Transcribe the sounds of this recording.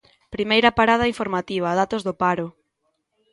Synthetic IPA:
pɾimejɾɐpaɾað̞ɐiɱfoɾmat̪iβ̞ɐðat̪ozðʊpaɾʊ

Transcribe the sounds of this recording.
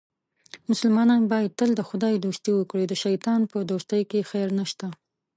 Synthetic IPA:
mʊsʊlmɑnɑnbɑjad̪̚t̪əld̪əxʊd̪ɑjd̪ost̪iwəkɽed̪əʃajt̪ɑnpəd̪ost̪əjkexajɾnaʃt̪a

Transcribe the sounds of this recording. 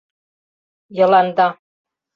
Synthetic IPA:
jɤ̆lɑnd̪ɑ

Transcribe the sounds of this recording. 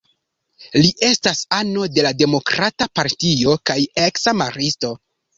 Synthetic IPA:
liʔe̞stasano̞de̞lade̞mo̞kɾatapaɾtio̞kajeksamaɾisto̞

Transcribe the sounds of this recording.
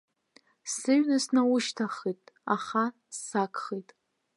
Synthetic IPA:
sɨɥnasnawʊʃtʰaχitʼa̰χa | sːakʼχitʼ

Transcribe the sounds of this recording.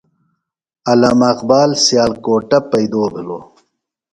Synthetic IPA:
ɐlamɐqbaːlsjaːlkoːʈɐpɐjd̪oːbiloː

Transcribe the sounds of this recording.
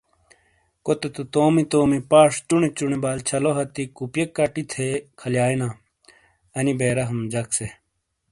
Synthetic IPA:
kot̪et̪ut̪oːmit̪oːmipaːʂt͡ɕuɳet͡ɕuɳebaːlt͡ɕʰɐloɦɐt̪ikupjekːɐʈit̪ʰekʰɐljaːinaː | ɐnibeːɾɐɦɐmd͡ʑɐkse

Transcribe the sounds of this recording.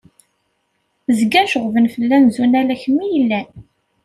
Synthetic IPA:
zɡæʃəʁvənfəlːænzunælæçmijəlːæ

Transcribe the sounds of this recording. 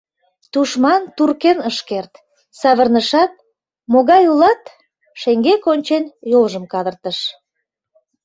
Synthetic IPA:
t̪uʃmɑnt̪urkenəʃkert̪ | sɑβərnəʃɑt̪̚ | moɣɑjulɑt̪ | ʃeŋɡekonʲt͡ɕenjolʒəmkɑd̪ərt̪əʃ

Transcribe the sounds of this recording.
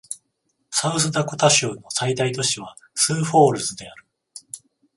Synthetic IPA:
saɯsɨd̪akot̪aɕɯːno̞said̪ait̪o̞ɕiβ̞a | sɨːɸo̞ːɾɯ̟sɨd̪e̞aɾɯ̟̥

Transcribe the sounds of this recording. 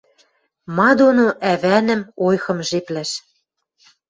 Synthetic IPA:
mɑd̪onoʔæβænə̆mojxɤ̆mʒeplæʃ

